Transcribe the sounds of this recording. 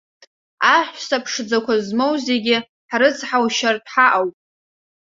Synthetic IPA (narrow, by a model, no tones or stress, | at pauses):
aħʷsapʰʂd͡zakʷʰazmo̞wze̞ɡʲɪ | ħrɨt͡sʰʼħawʃartʼʰħaʔawpʼ